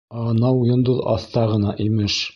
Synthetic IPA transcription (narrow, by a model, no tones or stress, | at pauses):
ɑnɑwjŏnd̪oðɑ̰θt̪ɑʁɤ̆nɑʔimɘʃ